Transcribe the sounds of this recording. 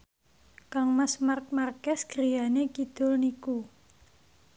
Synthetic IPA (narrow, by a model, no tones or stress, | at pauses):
kaŋməsmark̚markɛsɡ̥ɾijanekid̪̥ɔ̤lniku